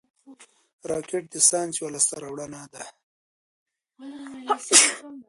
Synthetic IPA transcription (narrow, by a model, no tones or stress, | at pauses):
ɾɑkeʈ̚d̪əsɑːnt͡siwalast̪aɾawɽanad̪a